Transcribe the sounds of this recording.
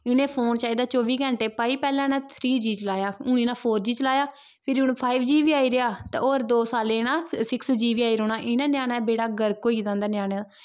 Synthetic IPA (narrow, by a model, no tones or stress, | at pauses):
ɪnẽːpʰoːnt͡ʃaːiːd̪aːt͡ʃoːʋiːɡə̃ɳʈeːpaːiːpɛːlãːnãːt̪ʰɾiːd͡ʒiːt͡ʃəlaːjaːʊnĩːnãːpʰoːɾd͡ʒiːt͡ʃəlaːjaː | pʰɪɾʊnpʰaːiʋd͡ʒiːʋiːaːiːɾeaːt̪ã̰ːoːɾd̪oːsaːlẽːnãːsɪksd͡ʒiːʋiːaːiːɾoːnaːʔɪnãːnjaːnaːbeːɽaːɡəɾkoːiːzãːnd̪aːnɪjaːnɛː